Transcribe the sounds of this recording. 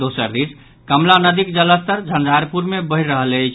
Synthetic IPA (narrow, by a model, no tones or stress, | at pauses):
d̪osəɾd̪is | kəmlanəd̪ikd͡ʒələst̪əɾd͡ʒʱənd̪ʱaɾpuɾmebəiɾəɦələjt͡ʃʰ